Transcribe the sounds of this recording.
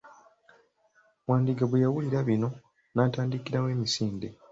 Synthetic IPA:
waːndiɡaβujawuliɾaβino̞ | naːtaːndikiɾawe̞ːmisiːnde

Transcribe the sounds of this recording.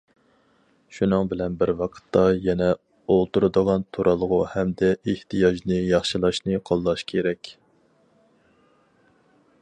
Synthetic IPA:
ʃunɨŋbɪlɛnbɪɾwɑqʰə̥t̪ʰːɑjɛnɛ | olˠt̪uɾɨd̪əʁɑnt̪ʰuɾʔɑlˠəʁʊhɛmd̪ɛeht̪ʰɨjɑʒnɨjɑχʃɨlˠɑʃnɨqʰolˠːɑʃkʲʰeɾɛkʲ

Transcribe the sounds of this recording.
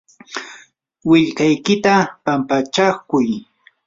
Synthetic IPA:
wɪʎkajkɪt̪apampat͡ʃakʊj

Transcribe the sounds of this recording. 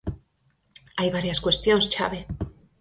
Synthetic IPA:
ajβaɾjaskwe̞st̪jonst͡ʃa̰βe

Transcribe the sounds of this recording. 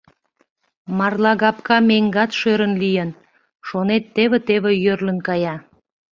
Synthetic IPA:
mɑrlɑɣɑp̚kɑmeŋɡɑt̪ʃøɾənlijən | ʃonet̪ːeβĕt̪eβĕjørlənkɑjɑ

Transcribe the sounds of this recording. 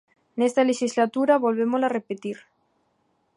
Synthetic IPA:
nest̪aleʃizlat̪uɾaβolβemolarepet̪iɾ

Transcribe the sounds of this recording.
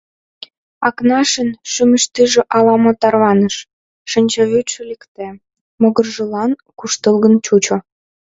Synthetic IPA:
ɑknɑʃənʃyməʃt̪iʒĕʔɑlɑmot̪ɑrβɑnəʃː | ənʲt͡ɕeβyt̪ʃĕlikt̪e | moɣərʒə̆lɑnkuʃt̪əlɣənt͡ɕut͡ɕo

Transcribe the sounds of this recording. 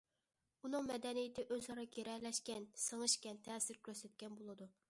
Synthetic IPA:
unɨŋmɛd̪ɛnijɪt̪ʰɪʔøzɑɾɑkʲeɾɛlɛʃkʲɛnsəŋɨʃkʲɛnt̪ʰɛːsɪɾkʲʰøɾsɛt̪̚kʲɛnbolˠɨd̪u

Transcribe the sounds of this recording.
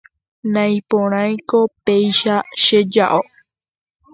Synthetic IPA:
nãj̃põɾ̃ãj̃kopejʃaʃed͡ʒaʔo

